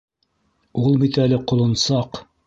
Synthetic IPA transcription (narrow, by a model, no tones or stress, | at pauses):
ulˠbit̪ælɘqŏlˠɤ̆nsɑq